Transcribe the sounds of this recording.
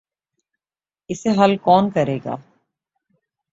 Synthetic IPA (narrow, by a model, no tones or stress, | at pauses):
ɪseɦɐlkɔːnkɐɾeːɡa̰ː